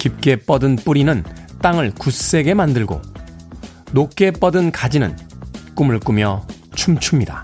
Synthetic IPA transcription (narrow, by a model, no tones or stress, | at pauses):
kip̚k͈e̞p͈ʌdɯnp͈uɾinɯnt͈aŋɯɭkus͈e̞ɡe̞mandɯɭɡo̰ | nok̚k͈e̞p͈ʌdɯnkad͡ʑinɯ̰nk͈umɯɭk͈umjʌ | t͡ɕʰumt͡ɕʰumɲida